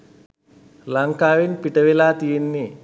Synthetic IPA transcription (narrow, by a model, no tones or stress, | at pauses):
lɐŋkaːʋinpiʈɐʋelaːt̪ijinːi